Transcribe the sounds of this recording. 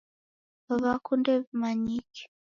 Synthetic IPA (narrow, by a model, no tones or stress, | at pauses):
βaβakundɛβmaɲiki̥